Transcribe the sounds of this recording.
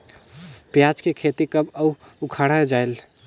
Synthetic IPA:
pjad͡ʒkekʰet̪ikəbəu | ukʰaɽ̤ad͡ʒael

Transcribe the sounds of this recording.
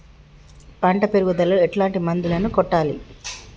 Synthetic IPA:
pɐɳʈɐpeɾuɡud̪ɐlɐɛʈlaːɳʈimɐnd̪ulɐnukɔʈːaːlḭ

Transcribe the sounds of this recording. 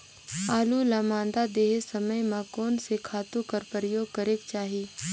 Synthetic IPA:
aːlulamãːnd̪ad̪eːɦesɐməjmãkɔːnsekʰaːt̪ũkɐɾpɾəjoːɡ̚kəɾeːkt͡ʃaːɦiː

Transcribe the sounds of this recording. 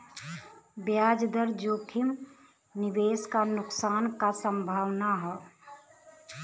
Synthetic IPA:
bjaːd͡ʒd̪əɾd͡ʒoːkʰɪm | nɪʋeːskanʊksaːnkasə̃mbʱaːʋnaɦɛː

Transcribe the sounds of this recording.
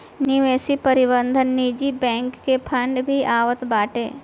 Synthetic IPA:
niʋeːsipɐɾɪbənd̪ʱənːiːd͡ʒibɛ̃ːŋkːepʰɐ̃ɳɖbʱiʔaːʋət̪baːʈḛː

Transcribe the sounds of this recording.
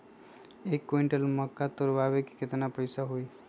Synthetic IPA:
eːkːoɪɳʈəlməkːat̪oɾʋaʋeki̥kɪt̪napəɪsaɦoi

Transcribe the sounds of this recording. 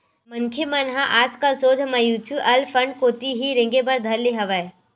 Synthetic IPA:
mɐŋkʰjemɐnɦaʔaːd͡ʒkasoːd͡ʒʱmɐjut͡ʃuʔɐlfʰəɳɖkoːt̪iɦiɾɪ̃ŋɡebɐɾd̪ʱɐɾleɦɐʋəe

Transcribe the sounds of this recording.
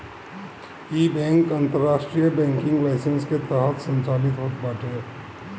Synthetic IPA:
iːbɛ̃ːŋkɐ̃nt̪əɾːaːʃʈɾijəbɛ̃ːŋkɪ̃ŋɡlaːɪsə̃nsket̪ɛɦət̪sə̃nt͡ʃaːlɪt̪ɦoːt̪baːʈ̪ɦɛː

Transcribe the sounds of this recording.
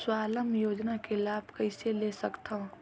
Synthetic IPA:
swaːləmjoːd͡ʒnakelaːbʱkəɪselesəkt̪aɦ

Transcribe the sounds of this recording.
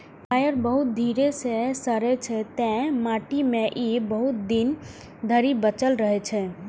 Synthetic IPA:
ppajəɾbəɦut̪̚d̪ʱiɾesesəɾɛt͡ʃʰɛt̪ɛ̃maʈimeʔibəɦut̪̚d̪in | d̪ʱəɾibət͡ʃəlɾəɦɛt͡ʃʰɛ

